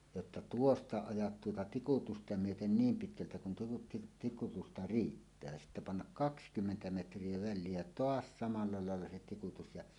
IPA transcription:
jotːɑ tuostɑ ɑjɑt tuotɑ tikutustɑ myøten niːm pitkæltæ kun tuotɑ tiktikutustɑ riːtːæː sitːæ pɑnːɑk kɑkskymːentæ metrˑie ʋæ̆lːie jɑ toɑs sɑmɑlːɑ lɑˑelːɑ se tikutus jɑ

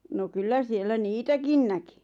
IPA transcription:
no kylːæ sielːæ niːtækin næki

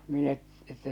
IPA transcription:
minæ etːæ

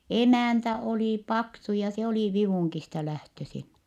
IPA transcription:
emæˑntæ oliˑ pɑksu jɑ se oli ʋiʋuˑŋkistɑ læhtøsin

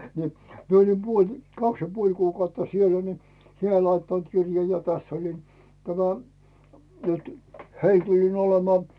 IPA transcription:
ni mie olʲim puolʲ kɑks jɑ puolʲ kuːkɑutːɑ sielːæ̥ ni heæl̆ lɑitːɑnt kirjɑ jɑ tæsː olin tæmæ nytẙ heil tulʲin olemŏɑˑ

